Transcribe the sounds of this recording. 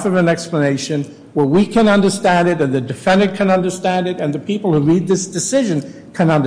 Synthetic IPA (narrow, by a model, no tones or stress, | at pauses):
fʌvɨ̃nɛkspləneɪʃɨ̃n | wə˞wikʰɨ̃nʌ̃ndə˞stæ̃ndɨɾɨ̃nðɨdɨfɛ̃ndəkʰɨ̃nʌ̃ndə˞stæ̃ndɨɾɨ̃nðɨpʰipl̩ˠhuɹid̪̚ðɪsd̥ɨsɪʒɨ̃n | kʰɨ̃nʌ̃nd